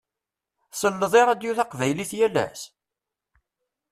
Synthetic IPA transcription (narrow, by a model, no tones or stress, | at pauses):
səlːəðˤeɾˤæd̪juθɑqvæjliθjælæ̰s